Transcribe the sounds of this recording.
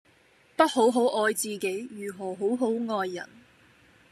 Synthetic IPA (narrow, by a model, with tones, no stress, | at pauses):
pɐ˥t̚ho˨˥wɦo˨˥wʔɔː˧jt͡siː˨˧ke˨˥jjyː˨˩ɦɔː˨˩ɦo˨˥wɦo˨˥wŋɔː˧jːɐ̰˨˩n